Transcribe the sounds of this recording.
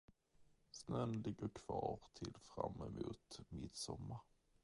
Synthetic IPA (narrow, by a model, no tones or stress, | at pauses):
snœnlɪɡːəɾkʰv̥ɑːɾt̪ʰɪlfɾamːɛmuːt̪mɪt̪sɔmːaɾ